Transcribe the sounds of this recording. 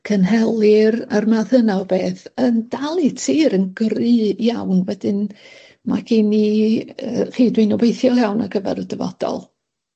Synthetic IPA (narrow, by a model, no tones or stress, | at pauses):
kʰənɦɛlˠɪɾarmaðənaɔbeːθənd̥alˠitʰiːɾənɡrɨjawnwɛdɨn | ma̰ɡiniəχiːdwinɔbejθjɔlˠjawna̰ɡəvɛ̰ɾɔdəvɔ̰d̥ɔ̰lˠ